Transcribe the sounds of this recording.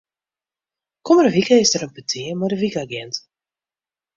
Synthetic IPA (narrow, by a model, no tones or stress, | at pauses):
kɔməɾəvikəɪsdəɾəmpətʰiəmadəvikaɡɛnt